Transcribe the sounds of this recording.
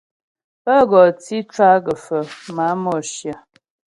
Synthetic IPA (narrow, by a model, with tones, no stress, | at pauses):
pə˦ɡɔ˨t͡si˦t͡ʃwa˦ɡə˨fə˨ma˨˦mɔ˨ʃjə˨